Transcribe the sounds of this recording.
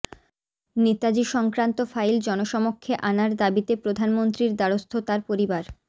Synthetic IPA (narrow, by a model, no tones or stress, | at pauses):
net̪ad͡ʑiʃɔŋkɾant̪ofajld͡ʑɔnoʃɔmokʰːeʔanaɾd̪abit̪epɾod̪ʱanmont̪ɾiɾd̪aɾost̪ʰot̪aɾpoɾibaɾ